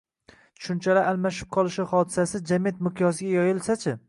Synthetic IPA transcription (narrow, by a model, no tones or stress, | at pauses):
ʃʊnt͡ʃʰalaalˠmaʃɪ̥p̚qʰɒlˠɪʃɪχɒd̪ɪsasɪd͡ʒamet̪̚mʊqʰjɒsɪɡʲajɒjɪlˠsat͡ʃʰɪ